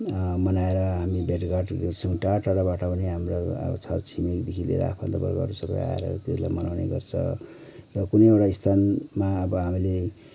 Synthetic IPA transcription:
mʌnaeɾʌɦamibeʈɡaʈɡert͡sʰʌw̃ʈaʈaɽabaʈʌpʌniɦamroʌ̰bʌ̰t͡sʰʌrt͡sʰimikd̪ekʰilḛɾ̰a̰pʰad̪ʌbʌ̰ɡʌ̰ɾusʌbʌ̰ja̰ḛɾʌ̰t̪esla̰jmʌnawnḛɡʌ̰rt͡sʰʌ̰ | rʌkunejewʈaist̪ʰanmaʌbʌɦamile

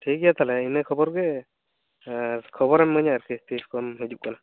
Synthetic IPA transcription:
t̪ʰikijat̪ʰalɛinɛkʰɔbɔɾɡɛ | kʰɔbɔɾanməɲaɾkest̪iskɔmɦid͡ʒup̚kana

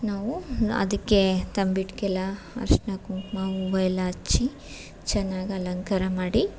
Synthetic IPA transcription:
naːʋuɐ̰d̪ɐkːet̪ɐmbiʈkɛlɐ | ɐ̰ɾʂnɐkuŋkmauʋɐjɐlat͡ʃːi | t͡ʃɛnːaːɡɐɐlɐŋkɐɾɐmaːɽi

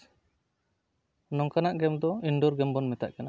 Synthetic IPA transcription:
nɔŋkanaʔɡɛmd̪ɔiɳɖɔɾɡɛmbɔnmɛt̪a̰ʔkana

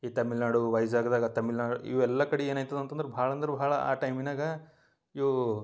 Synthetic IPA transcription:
it̪ɐmilnaːɽuʋɐjsaːɡd̪aːɡɐt̪ɐmilnaːɽuḭʋɛlːɐkɐɽeeːnaːjt̪ɐd̪uɐnt̪ɐnd̪ɐɾebʱaːɭɐnd̪ɐɾubʱaːɭɐa̰ːʈɐjminaːɡɐ | iʋu

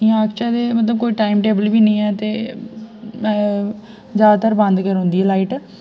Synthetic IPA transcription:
ijãkt͡ʃad̪eːmət̪ləb̚koːiːʈaːɪmʈeːbəlbiːnəĩːɛːt̪eː | zjaːd̪aːt̪əɾbənd̪kəɾɦʊ̃nd̪iːɛːlaːiːʈ

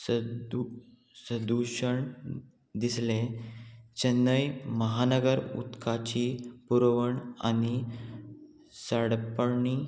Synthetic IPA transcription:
səd̪uɕəɳ | d̪islẽ | t͡ɕənːəjməɦanəɡəɾṵt̪kʰat͡ɕipuɾʋəɳa̰ni | səɽpəɳi

